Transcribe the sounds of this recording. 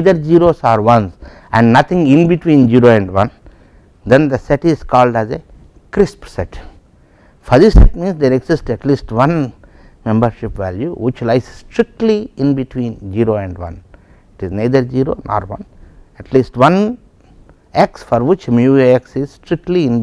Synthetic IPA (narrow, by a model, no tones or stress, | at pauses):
ad̪əɾd͡ʒiːɾoːsɔːɾʋʌ̃ns | ɛ̰̃ɳɖnʌt̪ʰɪ̃ŋɪ̃nbiʈʋĩːnd͡ʒiːɾoːɛ̃ɳɖʋʌ̃n | d̪ẽnd̪ɐsɛʈɪzkɔːlɖæze | kɾɪspsɛʈ | fɔɾd̪isɛ̰ʈ̚mĩːnsd̪eːɾeɡsɪsʈɛʈliːsʈʋʌ̃n | mɛ̃mbəɾʃɪpʋæ̰ːljuʋɪt͡ʃlaɪssʈɾɪk̚ʈliɪ̃nbiʈʰwĩːnd͡ʒiːɾoːɛ̃ɳɖʋʌ̰̃n | ɪʈiznaɪd̪əɾd͡ʒiːɾo̰ːnʔɔ̰ːɾʋʌ̰̃nɛʈʰliːsʈʋʌ̃n | eksfɔɾʋɪt͡ʃmjueksɪzsʈɾɪk̚ʈliɪ̃n